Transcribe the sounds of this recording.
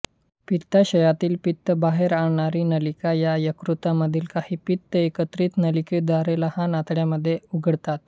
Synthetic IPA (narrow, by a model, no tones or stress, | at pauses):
pit̪ːaɕəjat̪iːlpit̪ːəbaɦeɾaɽɳaɾiːnəlikajajəkɾut̪aməd̪ʱiːlkahiːpit̪ːəekət̪ɾiːt̪nəliked̪aɾelahanat̪ɽjaməd̪ʱːjeuɡʱəɽt̪at̪